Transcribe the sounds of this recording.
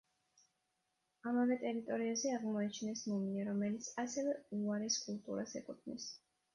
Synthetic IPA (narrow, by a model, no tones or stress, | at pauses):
amavɛt̪ʼɛɾit̪ʼɔɾiazɛaʁmɔɛt͡ʃʰnɛsmɔmiaɾɔmɛlit̪sʰasɛvɛuaɾɛskʼulˠt̪ʼṵɾasɛkʼut̪ʰnḭs